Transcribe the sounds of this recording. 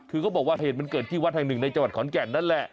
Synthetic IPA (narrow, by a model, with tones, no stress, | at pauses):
kʰɯː˧kɔː˥˩bɔː˨˩k̚waː˧heː˨˩t̚ma˧nkɤː˨˩t̪̚t͡ɕʰiː˧˩wa˦˥t̪ʰaː˧nɯ˨˩ŋna˧jt͡ɕa˧ŋwa˨˩t̚kʰɔː˨˩˦nkɛː˨˩nːa˦˥˩nlɛ˨˩ʔ